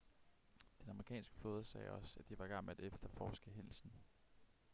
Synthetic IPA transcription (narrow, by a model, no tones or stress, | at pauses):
d̥enɑ̈məʁikʰɛ̰ːnsɡ̥ə̥føːðˠɐsɛ̰ːɒ̽sæd̥d̥iʋɑ̈ɡ̥ɑ̈m̰æd̥efd̥ɐfɒːsɡ̥əɦel̰sn̩